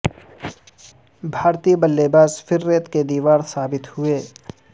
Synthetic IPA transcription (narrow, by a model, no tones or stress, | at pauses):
bʱaːɾt̪ibəlːeːbaːsfɪɾːeːt̪ked̪iːʋaːɾsaːbɪt̪hʊeː